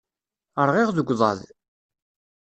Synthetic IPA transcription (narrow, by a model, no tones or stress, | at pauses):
əɾˤʁɪʁðəɡʷːðˤɑ̰ð